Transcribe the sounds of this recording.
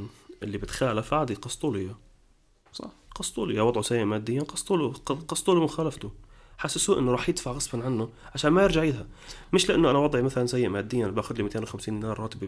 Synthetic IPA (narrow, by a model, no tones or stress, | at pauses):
ʔɪlːibɪt̪xaːlafbaːd̪iqɑsˤt̪ˤuːlɪjːa | sˤɑ̰qɑsˤt̪ˤṵːlɪjːawɑd̪ˤʕusajːɪʔmaːd̪ːɪjːanqɑsˤt̪ˤuːlqɑsˤt̪ˤuːlumʊxaːlaft̪ʊ | ħasːɪsuːʔɪnːʊɾˤɑːħjɪt̪faʕɣɑsˤfɑnʕanːʊʕaʃaːnmajɪɾʒaʕɪːd̪hamɪʃlɪʔanːʊʔanawɑd̪ˤʕimaθalansajːɪʔmaːd̪ːɪjːanbaːxʊd̪limit̪eːnwʊxamsiːnnaːɾˤɑːt̪ɪb